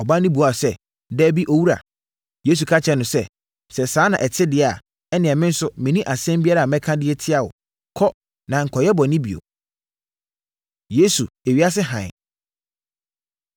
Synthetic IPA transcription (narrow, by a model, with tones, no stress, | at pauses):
ɔ˨ba˦nɪ̃˦bu˨˦a˨sɛ˦ | dɛː˦bi˦ʔo˦wu˦ɾa̰˨ | je˦s̬u˨kʰa˦t͡ɕʰɛ˦nʊ̃˨sɛ˦ | sɛ˨sãː˨˦nã̰˨ʔɛ˨tʰɪ˦dɪ˦a˨ | ɛ˦nɪ̃˨ɛ˨mɪ̃˦n̩˦sʊ˦mɪ̃˨nĩ˦ʔa˨sɛ̃˦mbi˦a˦ɾa˨mɛ̃˦kʰã˦dɪ˦ɛ˦tʰɪ˦a˨wʊ̰˨ | kʰɔ˦ | nã˨ŋ̩˨kʰɔ˨jɛ˦bɔ˨nɪ̃˦bḭ˨o̰˨ | je˦su˨e˨ɥi˦a˦s̬ɪ˦ɦã̰˨